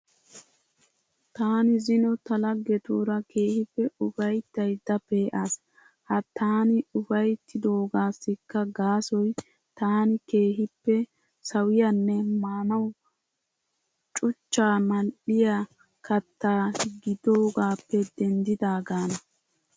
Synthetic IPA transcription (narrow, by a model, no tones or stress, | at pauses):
t̪aːnɪzɪnɔt̪ɐlɐɡːɛt̪uːɾɐkeːhɪpːɛʊfɐjt̪ːɐjd̪ːɐpeːʔas | hɐt̪ːaːnɪʊfɐjt̪ʰːɪd̪oːɡaːsːɪkːɐɡaːsɔj | t̪aːnɪke̞ːɦɪpːɛ | sɐwɪjɐnːɛmaːnɐw | t͡ʃʼʊt͡ʃːaːmɐnɗɪja | kɐt̪ːaːɡɪd̪oːɡaːpːɛd̪ɛnd̪ɪd̪aːɡaːnɐ